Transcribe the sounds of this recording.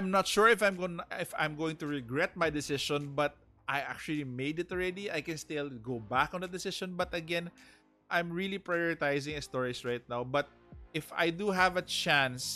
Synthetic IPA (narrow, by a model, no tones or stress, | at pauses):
ajmnɐt̪ʃuɹɪfãjmɡonɪfã̰jmɡoːwɪ̃ŋt̪ʊɹɛɡɹɛt̪̚majd̪ɪsɪʃɔ̃nbɐt̪̚ | ʔajʔa̰k̚t͡ʃʊɐlimejd̪ɪt̪ɹɛd̪iʔajkɛ̃nst̪ɪlɡowbakɔ̃nd̪ɐd̪ɪsɪʃɔ̃nbɐt̪ɐɡɛ̃n | ʔajmɹilipɹajɔɹɪt̪ajzɪ̃ŋɛst̪ɔɹisɹajt̪̚nawbɐt̪̚ | ʔɪfa̰jd̪uɦævɐt͡ʃæ̃ns